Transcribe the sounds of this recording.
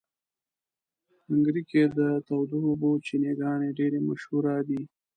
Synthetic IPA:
haŋɡɾiked̪ət̪awd̪uobot͡ʃineɡɑneɖeɾema̰ʃhuɾɑd̪i

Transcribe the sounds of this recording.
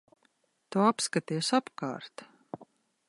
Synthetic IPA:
t̪uapskat̪iɛsapka̰ːɾt̪

